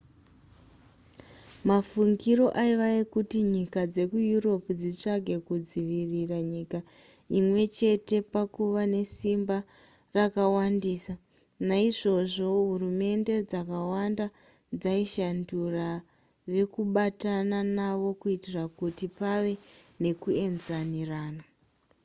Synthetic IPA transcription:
mafuŋɡiɾo̞ʔaiʋaekutiɲikad͡ze̞kujuro̞pud͡zit͡ʂaɡʱe̞kud͡ziʋiriraɲikaimwe̞t͡ʃe̞te̞pakuʋane̞simba | rakawandiːsa | naiʐo̞ʐo̞ɦurume̞nde̞d͡zakawanda | d͡zaiʃandura | ʋe̞kuɓatananaʋo̞kuitirakutipaʋe̞ne̞kue̞nzaniraːna

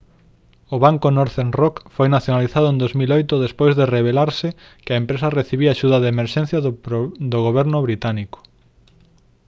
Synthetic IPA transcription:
ʊβaŋkonoɾθenrɔkfojnaθjonaliθaðʊẽnd̪ozmilojt̪ʊðespojzðereβ̞elaɾsɪ | kɪɐempɾesɐreθiβiaʃuðɐðeːmeɾʃẽn̟θjɐd̪oɣoβɛɾnʊβɾit̪aniko̥

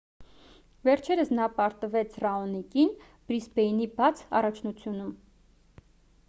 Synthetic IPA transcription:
vɛɾt͡ʃʰɛɾəsnɑpɑɾt̪əvɛt͡sʰrɑɔnikin | b̥ɾisbɛinibɑt͡sʰɑ̰rɑt͡ʃʰnut͡sʰjunum

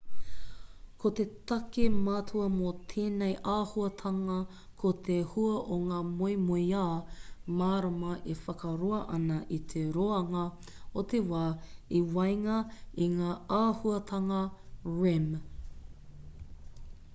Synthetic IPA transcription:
kʰotet̪ɐkemaːtʰuɐmot̪ʰeːnejʔaːhuɐtʰɐŋɐ | kʰot̪ʰehuɐʔoŋaːmojmojaːmaːɾamɐʔefɐkɐɾoɐʔɐnɐʔit̪ʰeɾoːɐŋɐ | ot̪ʰewaːiwɐjŋɐiŋaːaːhuɐt̪ʰɐŋɐɹem

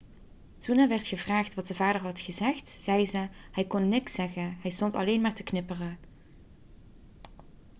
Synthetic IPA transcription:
z̥unaːʋɛrtχəvraːχtʋɑtdəvaːdəɹɦɑtχəzɛxtz̥ɛjzəhɛjkɔnːɪksɛɣəɦɛjstɔntɑ̰lejnmaːɹtəknɪpərə

